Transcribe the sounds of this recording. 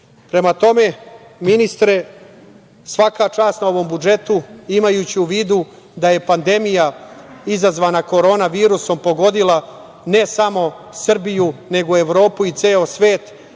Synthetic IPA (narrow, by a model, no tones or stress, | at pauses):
pɾe̞mat̪o̞me̞ | minist̪ɾe̞ | sʋakat͡ʃaːst̪nao̞ʋo̞mbud͡ʒe̞t̪uimajuːt͡ɕiuʋiːd̪u | d̪aje̞pand̪e̞mijaizazʋaːnako̞ɾo̞ːnaʋiːɾuso̞mpo̞ɡo̞d̪ila | ne̞samo̞ | sr̩bijune̞ɡoe̞ʋɾo̞ːpuit̪seːosʋe̞ːt̪